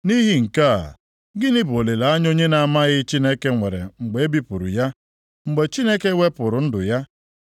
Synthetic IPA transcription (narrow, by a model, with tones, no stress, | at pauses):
ni˦ɦi˦ŋ̩˨ka̰˦˨ | ɡɪ˦nɪ˦bo˨le˨la˨a˦ɲ˦o˦ɲe˦na˨a˨ma˦ɣɪ˦t͡ʃi˦ne˦ke˦ŋʷe˨ɾḛ˨ŋ͡m̩˨ɡ͡be˨e˦bi˦pʊ˨ɾʊ̰˨ja˦ | ŋ͡m̩˨ɡ͡be˨t͡ʃi˦ne˦ke˦wʷe˦pʊ˨ɾʊ˨n̩˦dʊ̰˨ja˦